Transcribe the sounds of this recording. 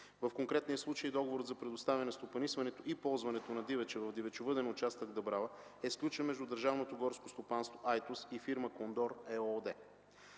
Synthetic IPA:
vəfkoŋkɾɛt̪nijəslˠut͡ʃəjd̪ɔɡovoɾət̪zɐpɾɛd̪ost̪avʲɐnɛst̪opɐnisvɐnɛt̪oʔipɔlˠzvɐnɛt̪onɐd̪ivɛt͡ʃɛvəvd̪ivɛt͡ʃʊvɤd̪ɛnʊt͡ʃast̪əɡd̪ɐbɾavə | ɛsklʲut͡ʃənmɛʒd̪ud̪əɾʒavnot̪oɡɔɾskost̪opanst̪voʔajt̪usifiɾməkond̪ɔɾɛɔd̪ɛ

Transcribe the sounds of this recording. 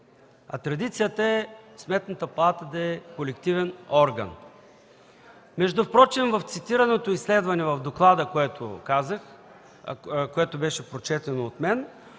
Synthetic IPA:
ɐ̰t̪ɾɐd̪it̪sijət̪əɛsmɛt̪nət̪əpɐlˠat̪əd̪ɐɛkolɛkt̪ivɛnɔɾɡɐ̰n | mɛʒd̪ʊpɾɔt͡ʃimvɐft̪sit̪iɾɐnot̪oislɛd̪vɐnɛvɐvd̪oklˠad̪əkɛt̪o̰kazəx | koɛt̪obɛʃɛpɾot͡ʃɛt̪ɛnoːt̪mɛn

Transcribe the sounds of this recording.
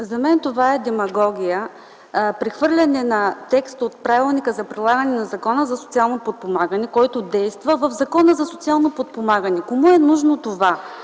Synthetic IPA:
zɐmɛnt̪ovaɛd̪ɛmɐɡɔɡʲijə | pɾɛxvɤɾlʲɐnɛnɐt̪ɛkst̪ot̪̚pɾavilˠnikəzɐpɾilˠaɡənɛnɐzɐkɔnəzɐsot̪sialˠnopot̪̚pomaɡənɛkɔjt̪od̪ɛjst̪vəvəvzɐkɔnəzɐsot̪sialˠnopot̪̚pomaɡənɛkomuɛnuʒnot̪ova

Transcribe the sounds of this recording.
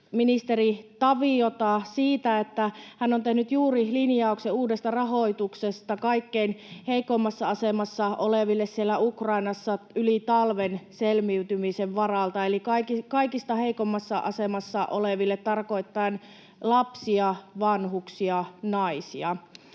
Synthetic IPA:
minist̪erit̪ɑʋiot̪ɑsiːt̪æet̪ːæhænːont̪ehnyt̪juːrilinjɑukseuːdest̪ɑrɑɦoit̪uksest̪ɑkɑikːeinheikomːɑsːɑɑsemɑsːɑʔoleʋilːessielːæukrɑinɑsːɑylit̪ɑlʋenselmiyt̪ymiseʋʋɑrɑlt̪ɑelikɑikikɑikist̪ɑheikomːɑsːɑʔɑ̰semɑsːɑʔoleʋilːet̪tɑrko̞it̪ːɑːn | lɑpsiɑʋɑnhuksiɑnɑisiɑ

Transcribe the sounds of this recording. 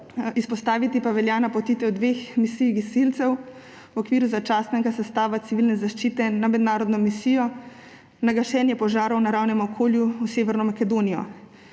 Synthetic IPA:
ispɔst̪aːʋit̪ipaʋɛljanapɔt̪it̪ɛwd̪ʋexmisijɡisilt̪sɛw | wɔkʋiːɾuzat͡ʃaːst̪nɛɡasɛst̪aːʋat̪siʋilnɛzaʃt͡ʃiːt̪ɛnamɛd̪naːɾɔd̪nɔmisijɔ | naɡaʃɛːnjɛpɔʒaːɾɔwnaɾaːwnɛmɔkʰoːljuuseːʋɛɾnɔmakɛd̪oːnijɔ̰

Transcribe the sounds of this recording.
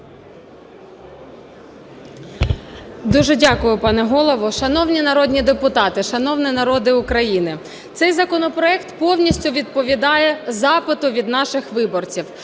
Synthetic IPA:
d̪uʒɛdʲɑkʊjʊpɑnɛɦɔlˠɔʋʊʃɐnɔwnʲinɐɾɔdʲnʲid̪epʊt̪ɑt̪ɪʃɐnɔwnʲinɐɾɔd̪ɪʊkɾɐjinɪ | t̪sɛjzɐkɔnɔpɾɔɛkt̪pɔwnʲisʲtʲʊʋʲid̪̚pɔʋʲid̪ɑjɛzɑpɪt̪ʊʋʲid̪nɑʃɪxʋɪbɔrt͡sʲiw

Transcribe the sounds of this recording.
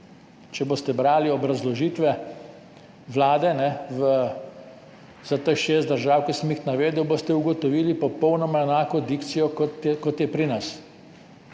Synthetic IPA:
t͡ʃɛboːst̪ɛbɾaːliɔbɾazlɔʒiːt̪ʋɛ | ʋlaːd̪ɛnɛʋə | zat̪əxʃeːst̪̚d̪əɾʒaːwkisəmjixnaʋeːd̪ɛwbost̪ɛuɡɔt̪ɔʋiːlipɔpɔwnɔmaɛnaːkɔd̪ikt̪sijɔkɔt̪ɛkɔt̪jɛpɾinas

